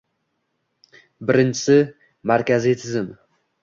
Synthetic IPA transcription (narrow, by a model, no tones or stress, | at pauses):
bɪɾɪnt͡ʃʰɪ̥sɪ | maɾkʲʰazɪjt̪ʰɪzɪm